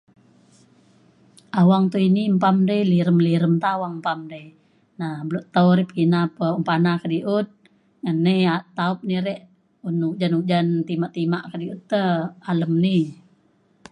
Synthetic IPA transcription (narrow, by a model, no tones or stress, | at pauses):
awaŋt̪uinimpamdəjliɾəmliɾəmt̪aawaŋmpamdəj | nahbəloʔt̪auɾipinapəumpanakədiʔut̪̚ | ŋəniat̪aup̚niɾɛʔ | unuk̚d͡ʒanuk̚d͡ʒant̪imaʔt̪imaʔkədiut̪ːəaləmni